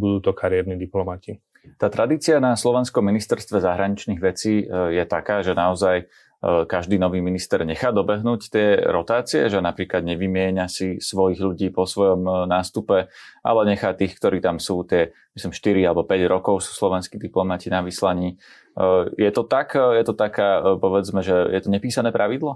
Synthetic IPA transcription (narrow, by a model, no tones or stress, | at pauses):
bud̪uːt̪ɔkaɾɪɛɾniːd̪iplɔmaci | t̪aːt̪ɾad̪iːt͡siɪanaslɔʋɛnskɔmːinist̪ɛɾst̪ʋɛzaɦɾaɲit͡ʃniːɣʋɛt͡siːjɛt̪akaːʒɛnaɔzaj | kaʒd̪iːnɔʋiːminist̪ɛɾɲɛxaːd̪ɔbɛɦnuːct̪ɪɛɾɔt̪aːt͡siɛ̰ʒɛnapɾiːklad̪ɲɛʋimɪɛɲasisʋɔjiɣʎuɟiːpɔsʋɔjɔmnaːst̪upɛʔa̰lɛɲɛxaːt̪iːxkt̪ɔɾiːt̪amsuːt̪ɪɛ | mislimʃt̪iɾialɛbɔpɛɟɾɔkɔʊsu̥ːslɔʋɛnskiːd̪iplɔmacinaʋislaɲiː | jɛt̪ɔt̪akjɛt̪ɔt̪akaːpɔʋɛd͡zmɛʒɛjɛt̪ɔɲɛpiːsanɛːpɾaʋid̪lɔ